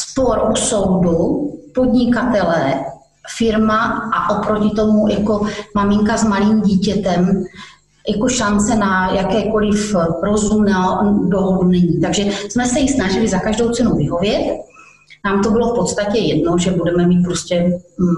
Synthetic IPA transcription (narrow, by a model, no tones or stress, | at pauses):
spoɾʔuso̞wdupo̞dɲɪkat̪ɛlɛ | fɪɾmaʔaʔopɾo̞cɪt̪o̞mujako̞mamɪŋkazmaliːmɟiːcɛt̪ɛm | jako̞ʃant͡sɛnajakɛːko̞lɪfɾo̞zumnadoɦodunɛɲiːt̪aɡʒɛsmɛsɛjɪsnaʒɪlɪzakaʒdo̞wt͡sɛnuvɪɦo̞vjɛt̪̚ | naːmt̪obɪlo̞fpot̪st̪acɛjɛdno̞ʒɛbudɛmɛmiːt̪̚pɾoscɛ